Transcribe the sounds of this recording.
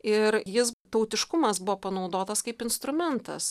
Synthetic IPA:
ɪɾjɪst̪ɐʊt̪ʲɪʃkʊmɐsbʊʋoːpɐnɐʊd̪oːt̪ɐskɐɪpɪnst̪ɾʊmʲɛnt̪ɐ̰s

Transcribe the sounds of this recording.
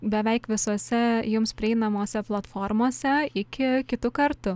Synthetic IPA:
bʲɛʋʲɛɪkʋʲɪsoɔsʲɛjʊmspʲɾʲɪɛɪnɐmoːsʲɛplˠɐt̪foːɾmoːsʲɛɪkʲɪkʲɪt̪ʊkɐɾt̪ʊ

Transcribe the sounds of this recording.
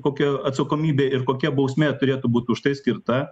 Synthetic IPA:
koːkʲɛɐt̪sɐkoːmʲiːbʲeːɪɾkoːkʲɛbɐʊsʲmʲeːt̪ʊɾʲeːt̪ʊbuːt̪ʲʊʃt̪ɐɪsʲkʲɪɾt̪ɐ

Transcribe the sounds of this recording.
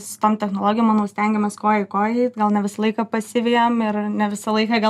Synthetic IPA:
sʊ̥t̪oːmt̪ʲɛxnoːlˠoːɡʲɪjomɑnoːsʲt̪ʲɛŋʲɡʲɛmʲeskoːjɛkoːjɛɪt̪ɡɐlˠnʲɛʋʲɪsɐlˠɐɪkɐpɐsʲɪʋʲiːjomɪɾnʲɛʋʲɪsɐlˠɐɪkɑɡɐ

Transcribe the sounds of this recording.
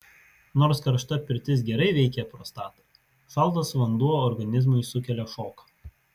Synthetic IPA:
noːɾskɐɾʃt̪ɐpʲɪɾʲt̪ʲɪs̬ɡʲɛɾɐɪʋʲɛɪkʲɛpɾoːst̪ɑːt̪ɐ | ʃɑˑlˠt̪ɐsʋɐnd̪uɔɔɾɡɐnʲɪzmʊɪsʊkʲɛlʲɛʃoːkɐ̥

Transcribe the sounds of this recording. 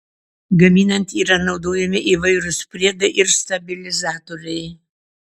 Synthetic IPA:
ɡɐmʲiːnɐnʲt̪ʲiːɾɐnɒʊd̪oːjɛmʲɪʔiːʋɐɪɾʊspʲɾʲiɛɡɐʔɪɾst̪ɐbʲɪlʲɪzɑːt̪oɾʲɛɪ

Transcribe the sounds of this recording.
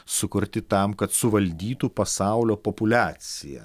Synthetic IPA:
sʊkʊɾʲt̪ʲɪt̪ɐmkɐt̪sʊʋɐlʲd̪ʲiːt̪uːpɐsɑˑʊlʲoːpopʊlʲæːt̪sʲɪjɛ̰

